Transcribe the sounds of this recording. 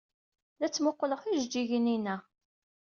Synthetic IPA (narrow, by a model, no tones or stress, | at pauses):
læt͡sːmʊqːləχiʒd͡ʒiʝəninæ